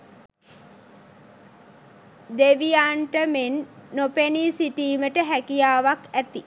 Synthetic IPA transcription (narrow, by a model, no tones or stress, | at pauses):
d̪eʋijaːɳʈəmenːopenisiʈiːməʈəɦækijaːʋakæt̪i